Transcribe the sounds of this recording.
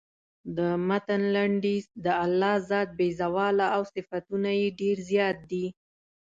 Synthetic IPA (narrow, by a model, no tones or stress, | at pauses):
d̪əmat̪anlaɳɖid̪əalːɑzɑd̪̚bezawɑlaːwsɪfat̪unajeɖeɾzjɑt̪̚d̪i